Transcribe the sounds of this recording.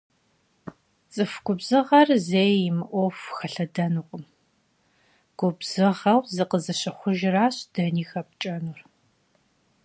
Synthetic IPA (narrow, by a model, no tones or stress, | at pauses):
t͡sʼɨfɡʷʊbz̥ɨʁɐrzeːjɪmɨʔʷofxɐɬɐdɐnuqʷʼəm | ɡ̥ʷʊbz̥ɨʁɐwzɨqəzɨɕɐχʷʊʒɪraːɕd̥ɐniːxɐp̚t͡ʃʼɐnur